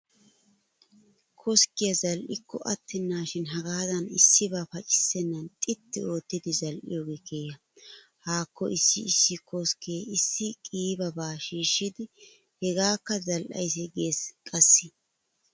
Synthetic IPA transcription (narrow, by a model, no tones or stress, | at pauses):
kʰɔskɪjɐzɐlʔɪkʰːɔʔɐt̪ːɪnːaːʃɪnɦɐɡaːd̪ɐnɪsːɪbaːfɐt͡ʃʼɪ̥sːɛnːɐnt̪ʼɪt̪ːɪo̞ːt̪ːɪd̪ɪzɐlʔɪ̰jɔːɡekʰeːjɐ | haːkːɔ̰ʔɪsːɪ̰ɪsːɪkɔskɪjeɪsːɪkʼiːbɐbaːʃiːʃːɪd̪ɪ | hɛɡaːkːɐzɐlʔɐ̰jsɛɡe̞ːskʼɐsːɪ